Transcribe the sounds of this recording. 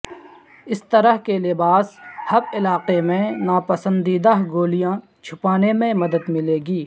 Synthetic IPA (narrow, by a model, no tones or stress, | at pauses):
ɪst̪əɾəɦkelɪbaːshɐbɪlaːqemẽnaːpəsə̃nd̪iːd̪aɦɡoːlijã | t͡ʃʰʊpaːnemẽmɐd̪əd̪mɪleːɡiː